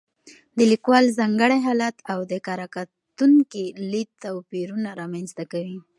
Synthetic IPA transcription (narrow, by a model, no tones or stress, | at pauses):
d̪əlikwɑlzɑŋɡəɽaɦɑlat̪awd̪əkɑɾaka | t̪uŋkilit̪awpiɾunaɾɑmanst̪akawi